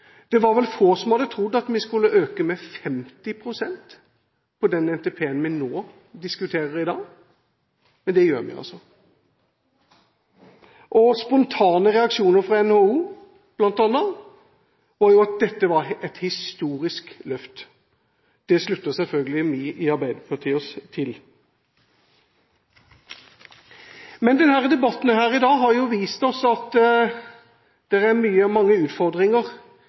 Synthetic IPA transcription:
d̪̥ɛʋɑɾʋɛlfoːsɔmhɑd̪ət̪ʰɾʊd̪ːɑt̪mɪskʉlːəʔøːkəmɛfɛmt̪ɪpʰɾʊsɛnt̪ | pʰɔd̪ɛnɛnt̪eːpʰeːənmɪnoː | d̪ɪskʉt̪ʰeːɾəɾɪd̪ɑːɡ | mɛnd̪ɛjøːɾmɪ̰ɑ̰lsɔ | ʔɔspɔnt̪ʰɑːnəʁɛɑkʂuːnəɾfʁɑɛnhouː | b̥lɑnt̪ɑnːə | ʋɑɾjʊɑt̪̚d̪ɛt̪ːəʋɑɾɛt̪hɪst̪uːɾɪsklœft̪ | d̪̥ɛslʉt̪ːəsɛlfœlɡəlɪmiʔɪɑɾbæɪd̪əpʰɑʁt̪ʰiːɔst̪ʰɪl | mɛnd̪ɛnhæːʁəd̪ɛbɑt̪ːn̩hæːɾɪd̪ɑːɦɑɾjʊʋiːst̪ɔsɔɑt̪ | d̪̥ɛʁæmyːəmɑŋːəʉːt̪fɔɾd̪ʁɪŋəʁ

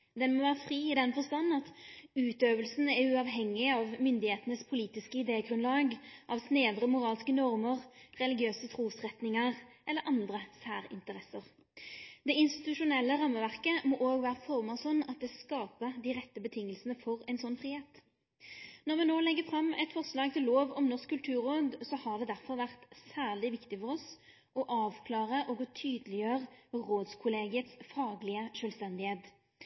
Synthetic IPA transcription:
d̪ɛnmɔʋæːʁəfʁiːɪd̪ɛnfɔst̪ɑnːɑt̪ʉːt̪øːʋəlsn̩æʁʉɑʋɦɛŋːɪɑʋmʏnd̪ɪheːt̪ənəspʰʊliːt̪ɪskəɪd̪eːəɡʁʉnlɑːɡʔɑʋsneːd̪ɾəmʊʁɑːlskənɔʁməʁʁɛlɪɡɪøːsət̪ʰʁuːsʁɛt̪nɪŋəʁʔɛlːəɾʔɑnd̪ʁəsæːʁɪ̰nt̪əɾɛsəʁ | d̪̥ɛɪnst̪ɪ̥t̪ʉʂʊnɛlːəʁɑmːəʋæʁkəmɔʔoːɡʋæːʁəfɔʁmɑʁsɔnːɑt̪̚d̪ɛːskɑːpəd̪iʁɛt̪ːəbət̪ʰɪŋːəlsənəfɔʁɛɪnsɔnːfʁiːheːt̪ | nɔʁʋɛnoːlɛɡːəfʁɑmɛt̪fɔʁslɑːɡ̚t̪ʰɪlːoːʋɔmnɔʁskʰːʉlt̪ʰʉːɾoːd̪sɔhɑd̪ɛd̪æʁfɔʁʋæʁt̪sæːʁlɪʋɪkt̪ɪfɔʁɔs | ʔɔʔɑːʋkʰlɑːʁəʔɔɡɔt̪ʰyːd̪lɪjøːʁəʁoːd̪skʰʊleːɡɪət̪sfɑːɡlɪəʃølst̪ɛnd̪ɪheːt̪

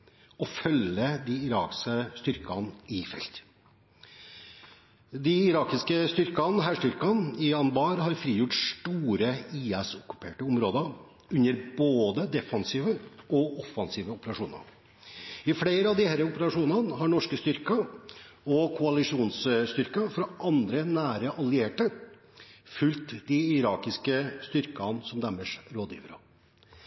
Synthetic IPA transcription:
ɔfœləd̪ɪɪɾɑ̰ːkskəst̪ʏɾkɑ̰nɪfɛ̰lt̪ | d̪ɪɪɾɑːkɪskəst̪ʏɾkɑnɦæːʂʈtʏɾkɑnɪɑnbɑːɾhɑɾfɾiːjʊʈʂʈuːɾəiːɛsʊkːʉ̥pʰḛːʈəʊmɾoːd̪əɾ | ʉnːəɾboːd̪əd̪ɛfɑnsiːʋəɔɔfːɑnsiːʋəʊpəɾɑʂuːnɑ̰ | ɪfleːɾəɑʋd̪ɪhæːɾəʊpəɾɑʂuːnɑnɦɑɳɔʂkəst̪ʏɾkə | ɔkʰʊɑlɪʂuːnsst̪ʏɾkɑfɾɑʔɑnd̪ɾənæːɾəʔɑlɪeːʈə | fʉlt̪d̪ɪɪɾɑːkɪskəst̪ʏɾkɑnsɔmd̪æmːəʂɾoːd̪jḭːʋəɾo̰

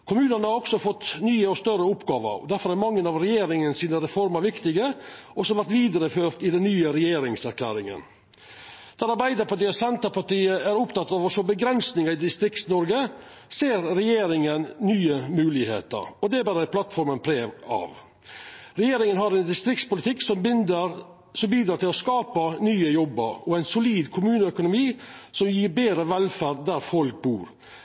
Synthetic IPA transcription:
kʰʊmʉːnənəhɑɾɔksɔfɔt̪ːnyːəɔst̪œɾəʊpɡɑːʋə̰d̪æɾfɔɾæɾmɑŋːənɑʋɾɛjeːɾɪŋənsiːnəɾɛfɔɾmɑɾʋɪkt̪ɪɡəʔɔsɔʋæɾʈ̪ʋiːd̪əɾəføːɾʈ̪ɪd̪ɛnːyːəɾɛjeːɾɪŋsæɾkʰlæ̰ːɾɪŋə̰n | d̪̥æɾɑɾbæɪd̪əpɑʈiːɑsɛnt̪əpɑʈiːəæɾʊpt̪ɑt̪ːɑʋɔsɔbəɡɾɛnsnɪŋəɪd̪ɪst̪ɾɪkt̪snɔɾɡə | seːɾɾɛjeːɾɪŋənnyːəmʉːlɪhḛːt̪ə̰ɾɔd̪ɛæbɑːɾəæplɑt̪fɔɾmənpʰɾeːʋɑ̰ʋ | ɾɛjeːɾɪŋənɦɑɾɛɪnd̪ɪst̪ɾɪk̚t̪spʊlɪt̪ʰɪksɔmbɪnd̪əɾ | sɔmbiːd̪ɾɑːt̪ɪlɔskɑːpənyːəjɔbːə̰ɾɔæɪnsʊliːd̪kʰʊmʉːnəœkʊnʊmiːsɔmjiːɾbeːd̪ɾəʋɛlfæɖd̪æɾfɔlk̚buːɾ

